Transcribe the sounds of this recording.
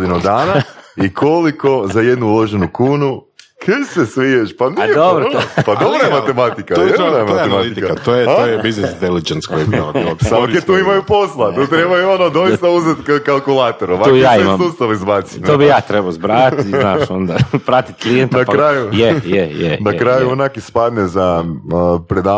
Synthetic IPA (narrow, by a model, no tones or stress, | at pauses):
d̪inud̪aːnaikʰo̞liko̞zaje̞d̪nuulo̞ʒenukuːnu | kʰesesʋijeʃpanad̪obɾpad̪obɾoemat̪emat̪ikaenamatemat̪it̪kaat̪ojeaojebiznisint̪elid͡ʒenskojebimailoaoket̪uːimajupo̞slˠat̪uːt̪ɾebajuo̞nod̪o̞jit̪auzet̪kkalˠkulˠaːt̪oɾoʋakːjaːiemasmust̪aʋizbasinoːbijaːt̪ɾebaozbɾat̪naːʃond̪apɾat̪i̥t̪klijent̪napkɾajujejejḛnakɾaːjuonakispad̪neza | pɾed̪a